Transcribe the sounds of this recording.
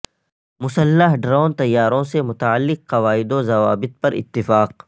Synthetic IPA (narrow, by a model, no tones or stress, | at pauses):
mʊsəlːəɦɖɾaːʊnt̪ɐjːaːɾõsemʊt̪aəlːɪqːɐʋaːɪd̪õzɐʋa̰ːbɪt̪̚pɐɾʔɪ̰t̪ːɪfaːq